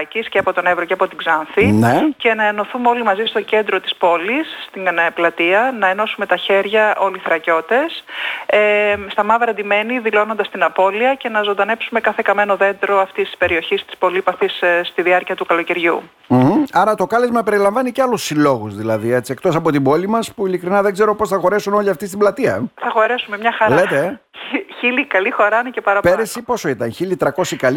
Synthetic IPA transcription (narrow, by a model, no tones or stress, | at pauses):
cisceɐpo̞t̪o̞nevɾoceɐpo̞t̪iɡzɐnfinece̞nɐeno̞θumeo̞limɐzist̪o̞ce̞nd̪ɾo̞t̪i̥spo̞lisːt̪iplɐt̪iɐnɐe̞no̞sume̞t̪ɐçe̞ɾʝɐʔo̞liθɾɐco̞t̪e̞sest̪ɐmɐvɾɐnd̪ime̞niðilo̞no̞nd̪ɐst̪inɐpo̞liɐce̞nɐzond̪ɐne̞psume̞kɐθe̞kɐme̞no̞ðe̞nd̪ɾo̞ɐft̪ist̪i̥spe̞ɾio̞çist̪i̥spo̞lipɐθisst̪iðiɐɾciɐt̪ukɐlo̞ce̞ɾʝṵ | m̩ɐɾɐt̪o̞kɐle̞zmɐpe̞ɾilɐɱvɐniceɐlusːilo̞ɣuzðilɐðie̞t͡sie̞kt̪o̞sɐpo̞t̪ibo̞limɐspuilikɾinɐðe̞ɡze̞ɾo̞po̞sθɐxo̞ɾesuno̞liɐft̪ist̪iblɐt̪iɐ̰θɐxo̞ɾe̞sume̞mɲɐxɐɾlet̪e | çilikɐlixo̞ɾɐɐnecepɐɾɐpeɾesipo̞so̞it̪ɐnçilit̪ɾɐko̞sikɐl